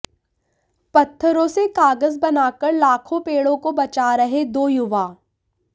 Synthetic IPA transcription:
pɐt̪ʰːəɾõsekaːɡəzbɐnaːkəɾlaːkʰõpeːɽõkobɐt͡ʃaɾɐɦed̪oːjʊʋaː

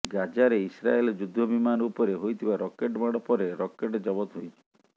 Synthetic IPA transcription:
ɡad͡ʒaɾeisɾa̰elɔd͡ʒud̪ʱːɔbimanupɔɾeɦojt̪ʰibaɾɔkeʈmaɽɔpɔɾeɾɔkeʈɔd͡ʒɔbɔt̪ɦojt͡ʃʰi

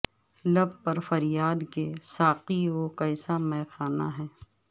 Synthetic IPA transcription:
lɐbpɐɾfɐɾjaːd̪kesaːqiokɐɪsamɛ̃ːxaːna̰ɦɛː

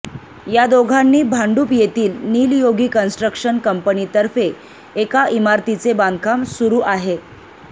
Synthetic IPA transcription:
jad̪oɡʱanːiːbʱaɳɖuːpjet̪iːlniːljoɡiːkənsʈɾəkʂənkəmpənit̪əɾfeː | kaʔimaɾt̪it͡sebãnd̪̚ʱkʰamsuɾuːʔaɦe

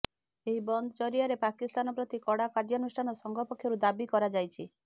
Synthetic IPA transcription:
eɦibɔnd̪ɔt͡ʃɔɾiaɾepakist̪anɔpɾɔt̪ikɔɽakad͡ʒjɔnusʈʰanɔsɔŋɡʱɔpɔkʰːjɔɾud̪abikɔɾad͡ʒajt͡ʃʰi

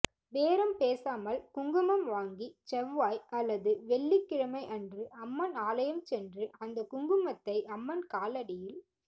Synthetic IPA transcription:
ʋeːɾɐmpeːsaːmɐlkʊŋɡɯmɐmʋaːŋɡit͡ʃɛʋʋaːjɐlːɐðɯʋɛɭːikːɪɻɐmɐɪʔɐndrɯʔɐmːɐnaːlɐjɐmt͡ʃɛndrɯʔɐnd̪ɐkʊŋɡɯmɐt̪ːɐɪʔɐmːɐnkaːlɐɽɪjɪl

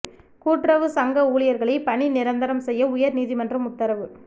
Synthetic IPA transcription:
kuːʈrɐʋɯsɐŋɡɐuːɭɪjɐɾɣɐɭɐpɐɳinɪɾɐnd̪ɐɾɐmsɛjːɐʊjɐɾniːðɪmɐndrɐmʊt̪ːɐɾɐʋɯ

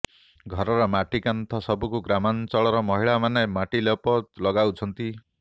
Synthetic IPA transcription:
ɡʱɔɾɔɾɔmaʈikant̪ʰɔsɔbukuɡɾamant͡ʃɔɭɔɾɔmɔɦiɭamanemaʈilɔpɔt̪lɔɡawt͡ʃʰɔnt̪i

